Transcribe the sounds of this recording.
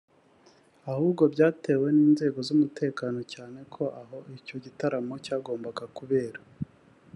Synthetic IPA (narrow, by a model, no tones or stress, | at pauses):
ahuːbɡo̞bɟaːte̞ːwe̞niːnze̞ːɡo̞zumute̞ːkaːno̞caːne̞kʰo̞ʔaɦo̞ico̞ɟitaɾamo̞caːɡo̞ːmbaɡakuβe̞ːɾa